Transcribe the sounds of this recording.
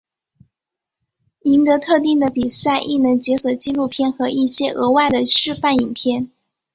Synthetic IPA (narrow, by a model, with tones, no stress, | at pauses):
i˧˥nt̪ɤ˧˥t̪ʰɤ˥˧t̪̬i˥˩ŋd̪ə˩pi˨˩sa˥˧ɪʔḭ˥˩nɤ˧˥ŋt͡ɕjɛ˧˥swɔ˨˩t͡ɕi˥lu˥˧pʰjɛ˥˩nxɤ˧˥ʔi˥˩ɕjɛ˥ʔɤ˧˥wa˥˩ɪd̪ə˩ɕɻ̩y˥˧fa˥˩ni˨˩ŋpʰjɛ˥˩n